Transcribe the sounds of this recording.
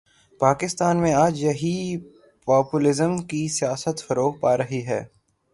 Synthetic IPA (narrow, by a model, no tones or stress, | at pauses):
paːkɪst̪aːnmẽaːd͡ʒjɐɦi | paːpulɪzəmkisijaːsət̪fɐɾoːk̚paːɾɐɦiɦɛ̰ː